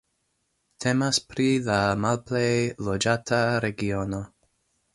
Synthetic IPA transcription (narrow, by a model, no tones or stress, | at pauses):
tʰe̞maspɾilamalplejlod͡ʒatʰaɾeɡiono̞